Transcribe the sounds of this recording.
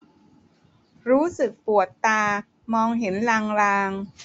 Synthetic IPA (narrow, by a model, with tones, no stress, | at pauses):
ɾuː˦˥sɯ˨˩k̚pu˨˩ət̪ːaː˧ | mɔː˧ŋɦe˩˦nlaː˧ŋlaː˧ŋ